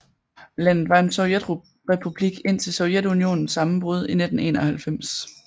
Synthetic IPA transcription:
læn̰ð̩ˠʋɑ̈e̝nsɒʊjed̥ | ʁɛpʰub̥liɡ̥e̝n̰t͡sʰe̝lsɔ̽ʊjed̥unio̝̰ːnn̩sːɑ̈mm̩b̥ʁuð̞ˠine̝d̥n̩e̝̰ːnɒ̽hælfem̰s

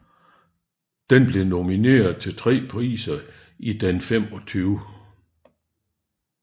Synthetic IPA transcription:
d̥enb̥le̝no̝mine̝̰ːɐðˠt͡sʰe̝lt͡sʰʁɛ̰ːpʰʁḭːsɐ | id̥enfemɒ̽t͡sʰyːʊ

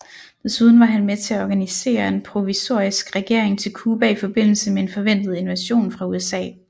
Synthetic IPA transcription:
d̥e̝suð̞ˠn̩ʋɑ̈ɦænmet͡sʰe̝æɒɡ̥ænise̝̰ːɐe̝npʰʁo̝ʋiso̝ɐ̰isɡ̥ʁɛɡ̥e̝ɐ̰eŋt͡sʰe̝lkʰuːb̥æifɒ̽b̥e̝n̰l̩səmeenfɒ̽ʋen̰d̥ð̞̩ˠe̝nʋæɕo̝̰ːnfʁɑ̈uesɛ̰ː

